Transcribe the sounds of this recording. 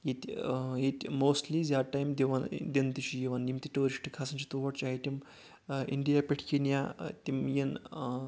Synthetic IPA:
jit̪ʲjitʲmoːsʈlizʲaʈajmd̪eʋɐnd̪ʲent̪it͡ʃijiʋɐnnimt̪iʈoːɾiʃʈikʰasɐnt͡ʃit̪uʋɐʈt͡ʃaːɦit̪ʲim | ḭɳɖijapʲeʈʰkinjat̪ʲimjin

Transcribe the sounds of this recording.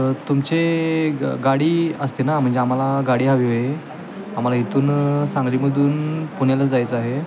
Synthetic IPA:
t̪umt͡se | ɡaɽiːəst̪inam̤əɳd͡zeam̤alaɡaɽiːɦaʋiɦoje | am̤alaɦit̪uːnsãŋɡliːməd̪ʱuːnpuɳjalad͡zajt͡saɦe

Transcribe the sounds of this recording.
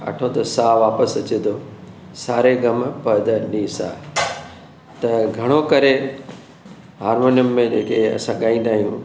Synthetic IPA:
ɐ̰ʈʰot̪ɐsaːʋaːpəsɐt͡ɕed̪oː | saːɾeɡɐmpɐd̪əniːsa̰ː | t̪ɐɡʱɐɽ̃okɐɾe | ɦaːɾmoːnijʊmːẽd͡ʑeːkeɐ̰sãɠaːĩːn̆d̪aːɦijũː

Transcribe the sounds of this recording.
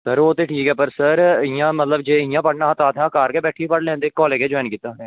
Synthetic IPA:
səɾoːt̪eːʈʰiːkɛːpəɾsəɾɪjãːmət̪ləbd͡ʒeːɪjãːpəɽnaːt̪aːt̪ʰãːkaːɾkeːbɛːʈʰiːpəɽlɛ̃ːnd̪eːkɔːleːɡeːd͡ʒɔːnkiːt̪ːaːɛ̃ː

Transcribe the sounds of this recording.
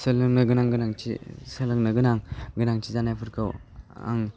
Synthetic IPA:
sɯlɯŋnɯɡɯnaŋɡɯnaŋt͡ʃʰḭsɯlɯŋnɯɡɯnaŋɡɯnaŋt͡ʃʰizanajpʰɯɾkʰɯwa̰ŋ

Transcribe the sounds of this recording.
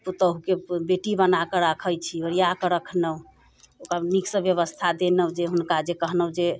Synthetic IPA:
put̪əɦukebeʈibənakəɾəkʰəjt͡ʃʰioɾijakəɾəkʰnə | okaniksə̃bjəβəst̪ʰad̪enəd͡ʒeɦunkad͡ʒekəɦnəɦd͡ʒe

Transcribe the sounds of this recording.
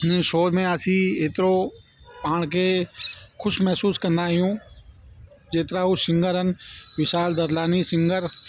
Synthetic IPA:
nʃoːd̪mẽəsĩeːt̪ɾo | paːɳke | kʰʊʃmɛɦsuːskənd̪aːɦijũː | d͡ʒeːt̪ɾaːɦusɪ̃ŋɡəɾɦənʋɪʃaːld̪ɐɾlaːnisɪ̃ŋɡəɾ

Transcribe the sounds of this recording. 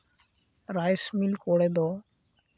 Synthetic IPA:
ɾajsmilkoɽed̪ɔ

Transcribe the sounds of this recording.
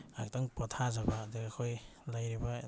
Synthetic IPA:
ak̚taŋpɔtʰazabaːdiɡakʰojlajɾiba

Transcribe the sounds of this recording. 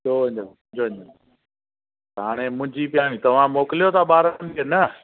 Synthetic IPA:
oːɦɪ̃ɲənʊ̃ɲd͡ʑoːɦɪ̃ɲd͡ʑən | ɦaːɽ̃emʊ̃ɦɪ̃ɲd͡ʑiːpjaːɽ̃ĩt̪ɐʋ̤ãmoːkɪlijot̪ʰaɓaːɾankenə

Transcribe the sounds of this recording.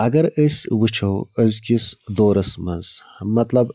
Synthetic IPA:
ɐɡɐɾəswɨt͡ʃʰɐwəzkʲisd̪oːɾɐsmɐnzmɐt̪lɐb

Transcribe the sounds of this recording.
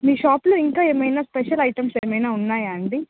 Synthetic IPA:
miːʃaːpluiŋkaːeːmɐjnaːspeʃɐlɐjʈɐmseːmɐjnaːunːaːjaːɳɖi

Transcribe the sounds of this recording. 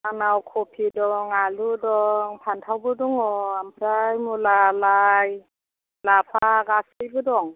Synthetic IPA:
anawkʰopʰidɔŋaludɔŋpʰantʰawbɯdɔŋɔampʰɾajmulalaj | lapʰaɡasɯjbɯdɔŋ

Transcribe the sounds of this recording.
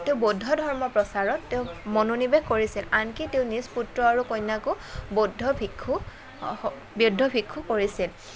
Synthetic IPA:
teʊ̃bodʱːɔdʱɔɹmɔpɹɔsaɹɔtːeʊ̃mɔnonibeɡkoɹisilankiteʊ̃nisputɹɔaɹukɔjnːakʊ | bodʱːɔbʰʱikʰːu | bjodʱːɔbʱikʰːukoɹisil

